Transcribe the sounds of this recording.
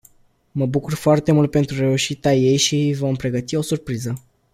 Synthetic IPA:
məbukurfoart̪e̞mult̪̚pe̞nt̪ɾure̞uʃit̪eaje̞jʃivo̞mpɾe̞ɡət̪io̞surpɾizə

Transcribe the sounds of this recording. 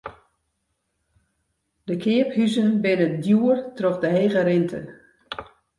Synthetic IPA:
d̥əkʰɪəphyzənbɪnədjuərtroχdəɦeːɣəɾɪntʰə̰

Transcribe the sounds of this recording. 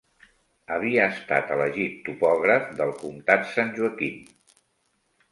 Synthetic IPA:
əβiəːst̪a̰t̪ələʒit̪ːupɔɣ̞ɾəfd̪əlˠkumt̪at̪sanʲʒuəkin

